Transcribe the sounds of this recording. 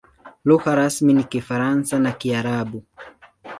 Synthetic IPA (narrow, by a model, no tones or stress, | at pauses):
luɣaɾasminikifaɾansanakiaɾaɓu